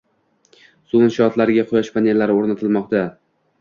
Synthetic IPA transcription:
suɪʃɒt̪laɾɪɡʲaqʰʊjaʃpʰanʲe̞lːaɾɪoɾnat̪ʰɪlmɒq̚t̪a

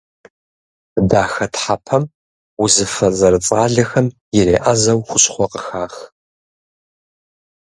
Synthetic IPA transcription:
daːxɐtħapʰɐm | wʊzɨfɐzɐɾɨt͡sʼaːɮɐxɐm | jɪɾeːʔɐzɐwxʷʊɕʼχʷɔqəxaːx

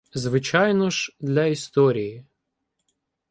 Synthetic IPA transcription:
zʋɪt͡ʃɑjnɔʒd̪lʲɐist̪ɔɾʲiji

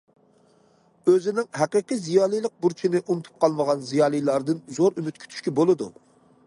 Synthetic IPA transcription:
øzɪnɪŋɦæqəqɨzijɑːlˠijlˠəq̚buɾt͡ʃʰinɪʔunɨt̪ʰu̥p̚qʰɑlˠməʁɑnzijɑːlˠijlˠɑɾd̪ɨnzoɾymyt̪̚kʲʰy̥t̪ʰy̥ʃkʲɛbolˠɨd̪ṵ

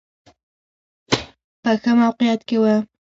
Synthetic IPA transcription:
pəxəmawqijat̪kewə

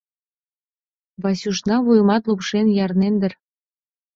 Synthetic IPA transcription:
βɑsʲuʃnɑβujmɑt̪lupʃenjɑrnend̪ə̆r

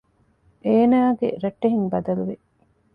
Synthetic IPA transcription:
ʔeːnaːɡḛɾɐʈːeɦiŋbɐd̪ɐluʋe

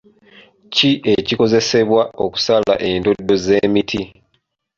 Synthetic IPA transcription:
ciʔe̞ciko̞ze̞se̞βwao̞ku̥sala̰ʔe̞ndo̞dːo̞ze̞ːmitʰi

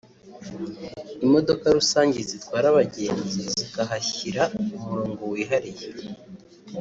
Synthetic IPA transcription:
imo̞do̞kaɾusaːɲɟizit̪waːɾaβaɟe̞ːnziziɡaɦaçiɾaumuɾoːŋɡo̞wiːɦaɾije

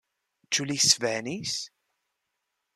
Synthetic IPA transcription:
t͡ʃːulisvænis

